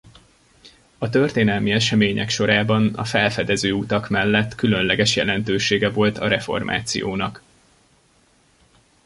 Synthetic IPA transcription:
ɒt̪ørt̪eːnɛlmiɛʃɛmeːɲɛ̰kʃo̞ɾaːbɒnɒ̰fɛlfɛd̪ɛzøːut̪ɒkmɛlːɛt̪ːkylø̞nlɛɡɛʃjɛlɛnt̪øːʃeːɡɛvo̞lt̪ɒɾɛfo̞̰rmʔa̰ːt̪sijo̰ːnɒk

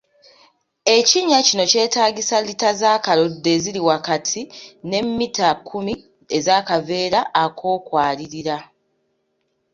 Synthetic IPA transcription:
e̞ciɲːacino̞ce̞ːtaːɟisalitazaːkalo̞dːe̞ːziliwakatʰine̞mːitakʰːumi | ezaːkave̞ːɾaːkʰo̞ːkwaːliɾiɾa

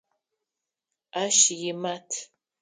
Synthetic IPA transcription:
aʃijimatʰ

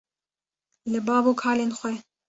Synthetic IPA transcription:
lɨbɑːbuːkʰɑːleːnxʷɛ

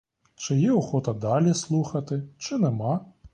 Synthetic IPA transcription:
t͡ʃɪjɛɔxɔt̪ɐd̪ɑlʲislˠuxɐt̪ɪt͡ʃɪnɛmɑ

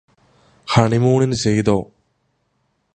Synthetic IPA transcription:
xɐɳimuːɳinɨt͡ɕejd̪oː

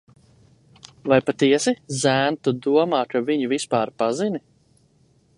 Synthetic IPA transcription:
vajpat̪iɛsizæːnt̪ud̪uɔmaːkaviɲuvispaːɾpazini

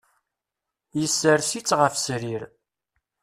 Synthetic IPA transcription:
jəsːəɾsit͡sːʁəfsɾiɾ

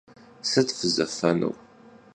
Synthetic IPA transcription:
sæt͡sːfəzə̰fænṵw

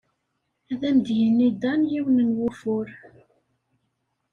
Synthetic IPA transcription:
æðæmd̪jənːid̪ɑnjiwənənwʊfʊɾ

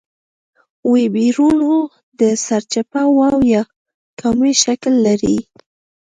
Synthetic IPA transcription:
webiɾuno | d̪əsaɾt͡ʃapawawjɑ | kʰamiʃaklːaɾi

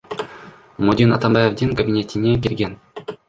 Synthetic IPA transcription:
mudʲinat̪ambɑjevd̪ʲiŋkabʲinʲet̪ʲinʲekʲilʲɡʲenʲ

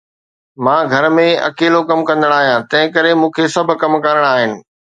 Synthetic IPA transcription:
mãːɡʱɐɾmẽɐ̰keːlokɐmkɐ̃nd̪əɽ̃aːɦijãːt̪ɐ̃ɦɪ̃kɐɾemũːkʰesɐbʱʊkɐmkɐɾəɽ̃aːɦɪnɪ̆

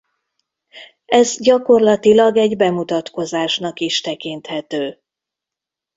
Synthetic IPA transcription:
ɛzɟɒko̞rlɒt̪ilɒɡɛɟbɛmut̪ɒt̪ko̞zaːʃnɒkiʃt̪ɛkint̪hɛt̪øː

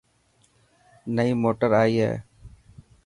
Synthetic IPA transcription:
nəiːmoːʈəɾaːiːɦɛ̰ː

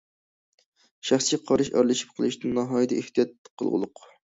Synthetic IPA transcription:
ʃæχsiqʰɑɾɨʃɑ̰ɾlˠɨʃi̥p̚qʰəlˠɨʃt̪ɪnɑɦɑjid̪ɛʔeht̪ʰijɑt̪̚ːqʰːəlˠʁʊ̰lˠʊq

